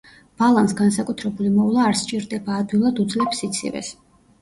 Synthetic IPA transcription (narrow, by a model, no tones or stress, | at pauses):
b̥alˠansɡansakʼut̪ʰɾɛbulimɔvlˠaːɾst͡ʃʼiɾd̪ɛbaːd̪ɡilˠad̪ud̪zlɛpsit̪sʰḭvɛ̰s